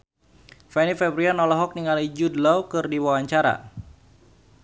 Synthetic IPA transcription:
fɛnifɛbɾianɔlɔɦɔk̚niŋalid͡ʒudlawkɨrdiwawaɲt͡ʃaɾa̰

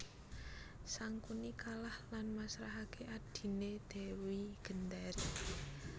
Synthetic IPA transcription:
saŋkunikalahlanmasɾaɦakʰeʔad̪̥i̤ned̪̥ɛ̤wiɡ̥ə̤nd̪aɾi

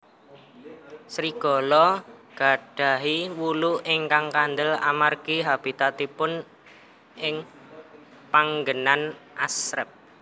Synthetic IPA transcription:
sɾiɡ̥ɔ̤lɔɡ̥a̤ɖ̥a̤ɦiwuluɪŋkaŋkand̪əla̰marɡ̥iɦab̥i̤t̪at̪ipʊn | ʔɪŋ | paŋɡənanʔasɾəp̚

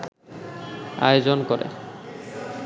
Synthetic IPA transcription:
a̰jod͡ʑonkɔɾḛ

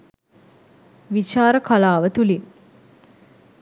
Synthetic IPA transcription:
ʋit͡ʃaːɾəkʰalaːʋət̪uli

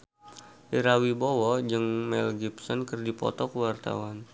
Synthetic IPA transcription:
ʔiɾawibowɔd͡ʒɨŋmɛ̰lɡipsɔnkərdipɔ̰t̪ɔkəwart̪a̰wan

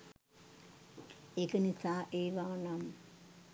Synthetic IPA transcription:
ekənisaːʔeːʋaːnam

